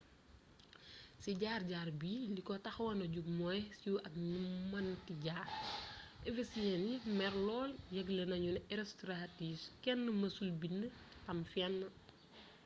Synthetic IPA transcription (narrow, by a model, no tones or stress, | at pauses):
siɟaːrɟaːrbiːlikɔtɐxwɐnɐɟuɡ̚mɔːjsiuʔɐk̚numɐntiɟaːrʔɛvesijɛnimɛrlɔːljɐɡlɐnɐɲunɛɾɛstɾatifkɛnːəmɐsulbinːətɐmfjɛnːɐ